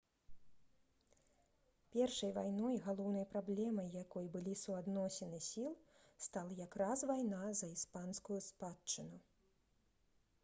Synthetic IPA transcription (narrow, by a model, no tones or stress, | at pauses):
pʲɛrʂɐjvajnɔjɣalˠɔwnɐjpɾablʲɛmɐjːakɔjbɨlʲisuad̪nɔsʲɛnɨsʲilˠst̪alˠɐjakɾazvajnazɐispanskujuspat͡ʂɨnu